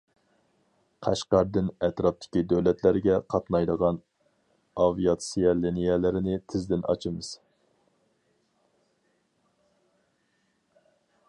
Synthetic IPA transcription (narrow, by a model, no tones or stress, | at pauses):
qʰæʃqæɾd̪ɪnɛt̪ɾɑp̚t̪ʰɪ̥kʲid̪øwlɛt̪ʰlæɾɡʲɛqʰɑt̪nɑjd̪əʁɑn | ɑvijɑt̪siɑlinijɛlɪɾɪnɪt̪ʰɪzd̪ɪnʔɑ̰t͡ʃʰɨmɨz̥